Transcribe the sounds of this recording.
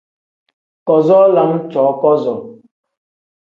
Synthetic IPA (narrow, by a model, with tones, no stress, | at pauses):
kɔ˨zɔ˦la˨ŋ̩˦t͡ʃɔ˨˦kɔ˦zɔ˨